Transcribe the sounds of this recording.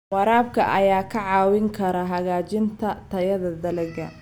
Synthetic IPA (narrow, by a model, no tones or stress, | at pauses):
wɑɾaːb̚kʰɐʔɐjaːkʰɐʕɑːwɪŋkʰɐɾɐɦɐɣaːt͡ʃɪnt̪ʰɐt̪ʰɐjɐðɐd̪ɐlɛɣɐ